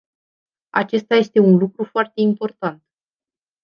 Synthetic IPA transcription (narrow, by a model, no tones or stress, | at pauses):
a̰t͡ʃe̞st̪aje̞st̪e̞unlukɾufoart̪e̞impo̞rt̪ant̪